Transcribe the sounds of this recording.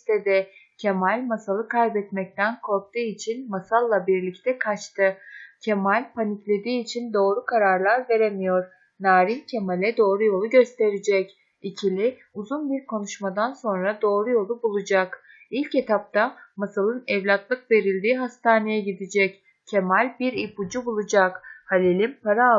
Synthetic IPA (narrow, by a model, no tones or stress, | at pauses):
t̪ɛd̪ɛ | cʰe̞malʲmasalˠɯkʰajbɛt̪mɛc̚t̪ʰænkʰo̞ɾk̚t̪ɯːit͡ʃʰinmasalˠːabiɾlʲict̪ʰɛkʰat͡ʃt̪ʰɯcʰe̞malʲpʰaniclʲe̞d̪iːt͡ʃʰind̪o̞ːɾukʰaɾaɾlˠaɾve̞ɾemijo̞ɾ̥ | naːɾincʰe̞malʲɛd̪o̞ːɾujo̞lˠuɟø̞st̪ʰe̞ɾid͡ʒɛc | icʰilʲi | uzunbiɾkʰo̞nuʃmad̪anso̞nɾad̪o̞ːɾujo̞lˠubulˠud͡ʒak | ilʲce̞t̪ʰap̚t̪ʰamasalˠɯnɛvlʲat̪lˠɯkve̞ɾilʲd̪iːɦast̪ʰaːne̞jɛɟid̪id͡ʒɛc | cʰe̞malʲbiɾipud͡ʒubulˠud͡ʒakhalʲelʲimpaɾa